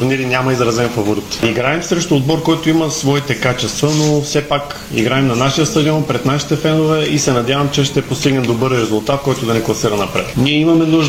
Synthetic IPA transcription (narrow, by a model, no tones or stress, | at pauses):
ɾniɾinʲjamɐizɾɐzɛnfɐvoɾit̪iɡɾaɛmsɾɛʃt̪oːd̪̚bɔɾkɔjt̪oimɐsvɔit̪ɛkat͡ʃɛst̪vənofsɛpak | ḭɡɾaɛmnɐnaʃiəst̪ɐd̪ʲiɔnpɾɛd̪naʃi̥t̪ɛfɛnovɛisɛnɐd̪ʲjavɐmt͡ʃɛʃt̪ɛpost̪iɡnɛmd̪obɤɾɾɛzʊlˠt̪at̪̚kɔjt̪ʊd̪ɐnɛklˠɐsiɾɐnɐpɾɛt̪niɛimɐmɛnuʒ